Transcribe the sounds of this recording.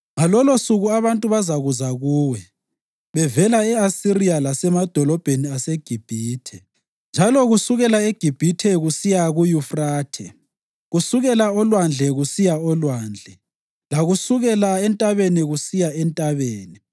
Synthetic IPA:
ŋalɔlɔsuɣuaβantʼuβazaɣuzaɣuːwɛ | βɛvɛlaɛasirialasɛmad̥ʱɔlɔb̥ʱeniaseɡ̥ʱib̥ʱiːtʰɛ | nd͡ʒʱalɔɣusuɣɛlaeɡ̥ʱib̥ʱitʰɛɣusijaɣujufraːtʰɛ̰ | ɣusuɣɛlaɔlwand͡ɮʱɛɣusijaɔlwaːnd͡ɮʱɛ | laɣusuɣɛlaɛntʼaβeniɣusijaɛntʼaβeːni

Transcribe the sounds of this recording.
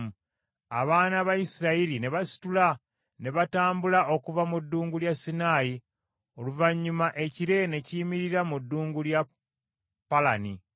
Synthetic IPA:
a̰βaːnaβajisiɾaiɾine̞βasi̥tula | ne̞βataːmbulaʔo̞kuvamudːuːŋɡuljasːinaːji | o̞luvaɲːumaʔe̞ciɾe̞ne̞ciːmiɾiɾamudːuːŋɡulja | pːalani

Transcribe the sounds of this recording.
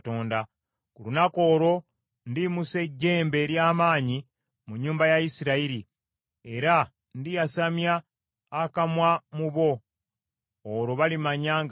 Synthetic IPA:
to̞ːnda | kulunako̞ːɾo̞ | ndimuse̞ɟːe̞ːmbe̞ɾjaːmaːɲi | muɲːuːmbajajisiɾaiɾi | e̞ɾa | ndijasamjaː | kamwamuβo̞ | ɾo̞βalimaɲaːŋ

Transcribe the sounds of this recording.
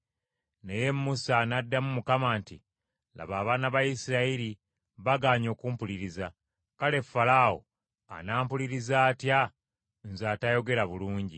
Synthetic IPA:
neje̞mːusanadːamumukamaːntḭ | la̰βaːβaːnaβajisiɾaiɾi | βaɡaːɲo̞ːkuːmpuliɾiza | kale̞fːalawo̞̰ | a̰naːmpuliɾizaːtja | nzaːtajo̞ɡe̞ɾaβuluːɲɟḭ

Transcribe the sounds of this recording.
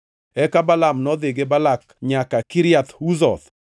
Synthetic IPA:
ɛkabalamnɔd̪ɪɡebalak | ɲakakiɾjat̪uzɔ̰t̪

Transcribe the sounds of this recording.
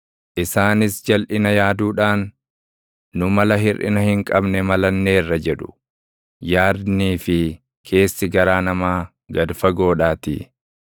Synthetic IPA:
ʔɪsaːnɪsd͡ʒɐlʔɪnɐjaːd̪uːᶑaːn | ʊmɐlɐɦɪrʔɪ̰nɐhɪŋkʼɐbnɛmɐlɐnːe̞ːrːɐd͡ʒɛᶑʊ̥ | jaːd̪niːfɪ | kʰe̞ːsːɪɡɐɾaːnɐmaː | ɡɐd̪fɐɡo̞ːᶑaːt̪ɪ̰

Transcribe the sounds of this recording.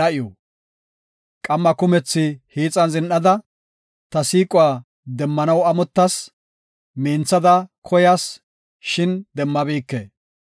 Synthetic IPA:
ɐʔɪjɔ | kʼɐmːɐkʊmɛt͡sːɪhiːt͡sʼɐnzɪnʔɐd̪ɐ | t̪ɐsiːkʼʊwaː | d̪ɛmːɐnɐwɐmɔt̪ːɐs | meːnt͡sːɐd̪ɐkʰɔjas | ʃɪnd̪ɛmːɐbiːkːḛː

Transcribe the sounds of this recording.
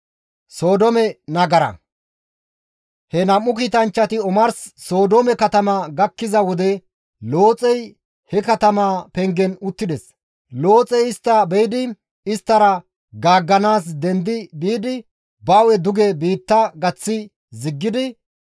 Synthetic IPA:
so̞ːd̪ɔmɛnɐɡɐɾɐ̰ | hɛnɐmːʊkiːt̪ɐnt͡ʃːɐt̪ɪɔmɐɾsːo̞ːd̪ɔmɛkɐt̪ɐmaɡɐkːɪzɐwɔd̪ɛ | lo̞ːt͡sʼɛj | hɛkɐt̪ɐmaːpɛŋɡɛnʊt̪ːɪd̪ɛs | lo̞ːt͡sʼɛjɪst̪ːɐbɛjd̪ɪ | ɪst̪ːɐɾɐ | ɡaːɡːɐnaːs̬d̪ɛnd̪ɪbiːd̪ɪ | bawɛd̪ʊɡɛbiːt̪ːɐɡɐt͡sːɪ | zɪɡːɪd̪ɪ

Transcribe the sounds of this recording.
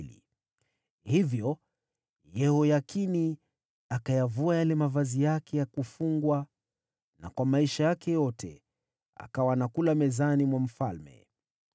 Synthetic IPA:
lḭ | hivjɔ | jɛɦɔjakini | akajavuajalɛmavazijakʰɛjakufuŋɡwa | na̰kwamaiʃajakɛjɔtʰɛ̰ | a̰kawanakulamɛzanimwam̩falmɛ̰

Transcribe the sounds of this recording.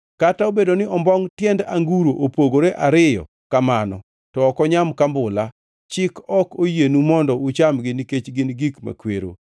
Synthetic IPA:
kataobedonɪɔmbɔŋtjɛndaŋɡuɾoʔopoɡoɾeʔaɾɪjɔ̰ | kamanɔ̰ | tɔːkɔɲamkambʊla | t͡ʃɪkɔkojenumɔndɔʊt͡ʃamɡɪnket͡ʃɡɪnɡikma̰kwḛɾo̰

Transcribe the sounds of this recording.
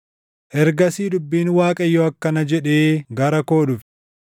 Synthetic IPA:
ʔɛɾɡɐsiːd̪ʊbːiːnwaːkʼɐjːɔɐkːɐnɐd͡ʒɛᶑeːɡɐɾɐko̞ːᶑʊf

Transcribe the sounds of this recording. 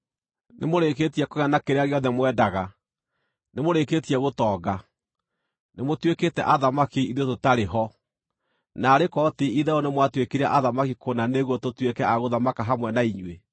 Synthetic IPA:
nemoɾeketiɛkoɣanakeɾeaɣeɔðɛmwɛːdaɣa | nemoɾeketiɛɣotɔːɡa | nemotweketɛ̰ʔaðamakiiðototaɾeɦɔ | naːɾekɔtiiðaonemwatwekeɾeaʔaðamakikʰonaneɣwɔtotwekɛaɣoðamakaɦamwɛnaiɲwe

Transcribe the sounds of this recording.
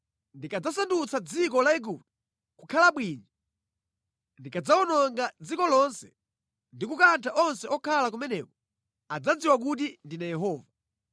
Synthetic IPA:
ndikad͡zasandut͡sad͡zikɔlaɛɡup̚t̚u̥ | kukʰalaɓwiːɲɔ | ndikad͡zaɔnɔŋɡad͡zikɔlɔnsɛ̥ | ndikukantʰaʔɔnsɛɔkʰalak̬umɛnɛkɔ | ad͡zad͡ziwak̬ut̬indinajɛɦɔːva

